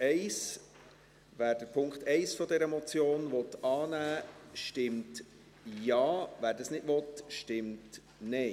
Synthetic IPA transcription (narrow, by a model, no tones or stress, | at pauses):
ɛɪs | ʋæːɾd̥əpʰʊŋkχtɛɪsfɔdɛɾəmɔt͡sjoːnʋɔt̪ɑːnæːʃtɪmt | jɑːvæːɾdɑsnɪdʋɔtʃtɪmt | nɛ